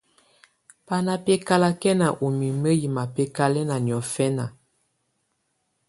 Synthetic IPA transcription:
pa˦na˦pɛ˦ka˦la˦kɛ˦na˨ʔo˨mi˨mə˦ji˨ma˨pɛ˦ka˦lɛ˦na˨njɔ˨fɛ˦na˨

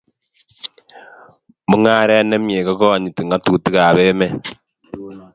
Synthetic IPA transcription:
mu˦ŋaː˦ɾe˦ne˦mjeː˨ka˦ko˦βa˨ɲi˨ti˨ŋa˦tu˦˨ti˦ɣa˨βe˦me˦

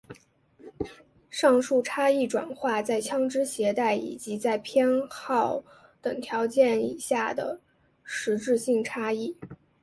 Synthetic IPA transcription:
ʂɑ˥˧ŋʂu˥˩ʈ͡ʂʰa˥i˥˩ʈ͡ʂwa̰˨˩nxwa˥˧t͡sa˥˩ɪt͡ɕʰjɑ˥ŋʈ͡ʂɻ̩˥ɕjɛ˧˥t̪a˥˩ɪḭ˨˩t͡ɕi˧˥t͡sa˥˩ɪpʰjɛ˥nxɑ˥˩ʊ | t̪ɤ˨˩ŋt̪ʰjɑ˧˥ʊt͡ɕjɛ˥˩nḭ˨˩ɕja˥˩d̪ə̰˩ | ʂɻ̩˧˥ʈ͡ʂɻ̩˥˧ɕi˥˩ŋʈ͡ʂʰa˥i˥˩

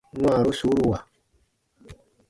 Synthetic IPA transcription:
n˦a˦˨ɾu˦suː˦ɾu˦wa˨

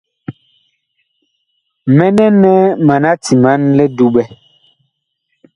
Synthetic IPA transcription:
mɛ˦nɛ˦nɛ˦ma˨na˦ti˨ma˨˦nlɛ˦du˦ɓɛ˦

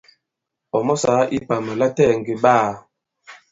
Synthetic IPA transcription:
ɔ˨mɔ˦sa˨˦ʔi˦pa˨mɛ˨la˦tɛ˦˨ŋ˨ɡi˨ba˦˨

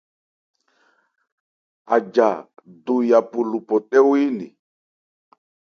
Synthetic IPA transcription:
a˨d͡ʒa˨du˨ja˨pu˨lu˨pɔ˨ɗɛ˦wi˦nḭ˨

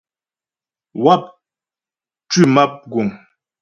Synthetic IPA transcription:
wa˦˨p̚ | tʉ˦˨ma˦p̚ɡu˨ŋ

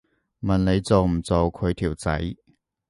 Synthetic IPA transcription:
mɐ˨nne˨˧jt͡so˨wm̩˨˩t͡so˨wkʰɵ˨˧ɥt̪ʰiː˨˩wt͡sɐ̰˨˥j

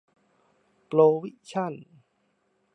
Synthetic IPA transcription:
ploː˧wi˦˥ʔt͡ɕʰa˥˩˨n

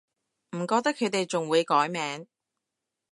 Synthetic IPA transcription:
m̩˨˩kɔː˧k̚t̪ɐ˥kʰːɵ˨˧ɥt̪e˨jt͡sʊ˨ŋwuː˨˧jkɔː˨˥jmɛː˨˧ŋ

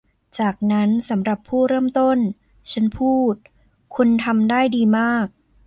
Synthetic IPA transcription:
t͡ɕaː˨˩k̚na˦˥nsa˩˦mɾa˨˩pʰːuː˥˩ɾɤː˥˩mt̪o˥˩n | t͡ɕʰa˦˥npʰuː˥˩t̪̚ | kʰu˧nt̪ʰa˧mdaː˥˩jdiː˧maː˥˩k̚

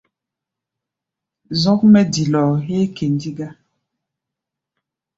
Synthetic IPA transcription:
zɔ˦k̚mɛ˦di˨lɔ˨ɦe˦ke˨ndi˦ɡa˦

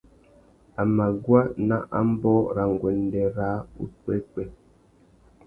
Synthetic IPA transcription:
a˨ma˨ɡwa˦na˦ʔa̰˦m̩˦bɔː˦ɾa˨ŋ˨ɡwɛ˨ndɛ˨ɾa˦ṵ˦twɛ˦k͡pɛ˦˨

